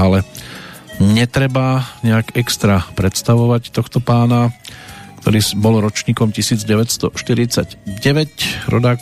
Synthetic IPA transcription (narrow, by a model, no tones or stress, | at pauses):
alɛ | ɲɛt̪ɾɛbaɲɛakɛkst̪ɾapɾɛt̪st̪aʋɔʋact̪ɔxt̪ɔpaːnakt̪ɔ̰ɾiːsbɔlɾɔt͡ʃɲiːkɔmcisiːd͡zɟɛʋɛcst̪ɔ̰ʃt̪iɾit͡saɟɟɛʋɛcɾɔ̰d̪aː